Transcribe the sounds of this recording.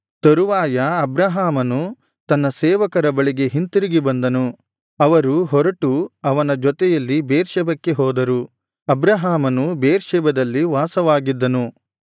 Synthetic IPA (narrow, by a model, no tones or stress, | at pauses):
t̪ɐɾuʋaːjɐɐbɾɐɦaːmɐnu | t̪ɐnːɐsɛːʋɐkɐɾɐbɐɭiɡe̞ɦint̪iɾiɡibɐnd̪ɐnu | ɐʋɐɾuɦɔɾɐʈuɐʋɐnɐd͡ʒɔt̪ɛjɐlːibeːɾʃɛbɐkːe̞ɦɔːd̪ɐɾu | ɐbɾɐɦaːmɐnubeːɾʃɛbɐd̪ɐlːiʋaːsɐʋaːɡid̪ːɐnu